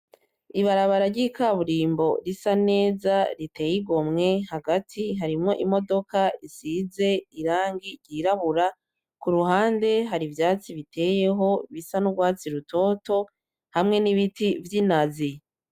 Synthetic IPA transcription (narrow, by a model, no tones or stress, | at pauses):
iβaɾaβaɾaɾɟikʰaβuɾiːmbo̞ɾisane̞ːzaɾite̞ːjiɡomŋe̞haɡatʰiɦaɾimŋo̞ʔimo̞do̞kaisize̞iɾaːŋɡiɾɟiɾaβuɾa | kuɾuɦaːnde̞ɦaɾivjaːt͡siβitʰe̞ːje̞ɦo̞βisanuɡwaːt͡siɾutʰo̞ːto̞ | hamŋe̞niβitivjinazi